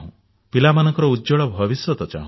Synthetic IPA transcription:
ɦũ | pilamanɔ̃ŋkɔɾɔudd͡ʒɔɭɔbʱɔbisjɔt̪ɔt͡ʃa̰ɦũ

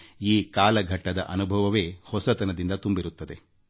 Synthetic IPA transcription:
iːkaːlɐɡʱɐʈːɐd̪ɐ̰ʔɐnubʱɐʋɐʋe̞ːhɔsɐt̪ɐnɐd̪ind̪ɐt̪umbiɾut̪ːɐd̪e̞

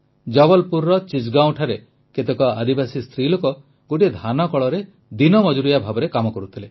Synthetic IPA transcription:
d͡ʒɔbɔlpuɾːɔt͡ʃid͡ʒɡaw̃ʈʰaɾe | ket̪ekɔad̪ibasist̪ʰɾilokɔ | ɡoʈid̪ʱanɔkɔɭɔɾe | d̪inɔmɔd͡ʒuɾijabʱabɔɾekamɔkɔɾut̪ʰile

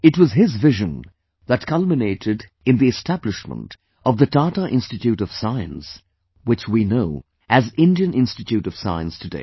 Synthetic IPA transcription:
ɨtwʌzɪzvɪʒɨ̃n | ðət̚kʰʌlˠmɨneɪɾɪd | ɨ̃nðiɨstʰæblɨʃmə̰̃nt | ʌvðɨtɑtəʔɪ̃nstɨtjʉɾʌv̥saɪɨ̰̃ns | wɨt͡ʃwinoʊ | ʔɨzɪ̃ndiɨ̃nʔɪ̃nstɨtʰjʉɾʌv̥sa̰ɪə̰̃nstʰɨdḛɪ

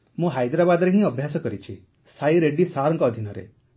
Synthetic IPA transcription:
mũɦajd̪ɾabad̪ɔɾeɦĩɔbʱjasɔkɔɾit͡ʃʰi | sajɾeɖisaɾɔŋkɔːd̪ʱinɔɾḛ

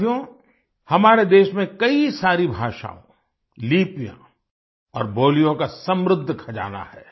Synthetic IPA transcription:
jõ | hɐmaːɾed̪eːʃmẽkɐisaːɾibʱaːʃa̰ːõ̰ | liːpijã̰ | ɔːɾboːlijõkasɐ̃mɾʊd̪ʱːkʰɐd͡ʒa̰ːna̰hɛː

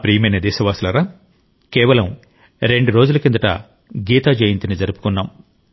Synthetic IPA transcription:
pɾiːɐmɐjnɐd̪ɛːʃɐʋaːsulɐɾaː | kɛːʋɐlɐm | ɾe̞ɳɖuɾo̞ːd͡ʒulɐkind̪ɐʈɐ̰ | ɡiːt̪aːd͡ʒɐjint̪inid͡ʒɐɾupu̥kunːaːm

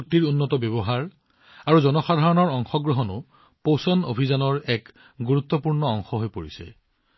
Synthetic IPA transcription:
k̚tiɹunːɔtɔbjɔbɔɦaɹ | aɹuzɔnɔxadʱaɹɔnɔɹɔŋxɔɡɹɔɦɔnʊ̰ | powsɔno̰bʱizanɔɹɛk | ɡuɹut̪ːɔpuɹnɔɔŋxɔɦojpoɹḭsɛ̰

